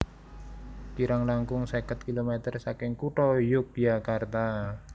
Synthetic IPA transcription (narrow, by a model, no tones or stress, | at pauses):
kiɾaŋlaŋkʊŋsɛkət̪̚kilomet̪ərsakɪŋkuʈɔjʊk̚jakart̪a